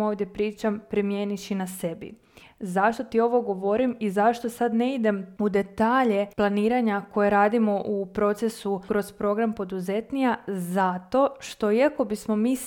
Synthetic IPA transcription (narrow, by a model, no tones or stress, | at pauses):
o̞ːʋd̪je̞pɾiːt͡ʃampɾimje̞ːniʃinase̞bḭ | zaʃt̪o̞t̪io̞ʋo̞ɡoʋo̞ɾimizaʃt̪o̞sad̪neid̪e̞mud̪e̞t̪aːʎe̞plˠaniːɾaɲako̞jeɾaːd̪imo̞ʔupɾo̞t̪sesukɾo̞zpɾo̞ɡɾampo̞d̪uze̞t̪nijazat̪o̞ʃt̪o̞iako̞bismo̞miː